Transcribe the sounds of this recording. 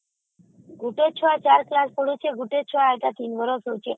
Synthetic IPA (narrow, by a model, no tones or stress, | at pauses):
ɡuʈet͡ɕʰɔat͡ɕaɾklaspoɽ̤ut͡ɕʰeɡuʈet͡ɕʰɔaeʈat̪inbʱɔɾosowt͡ɕʰe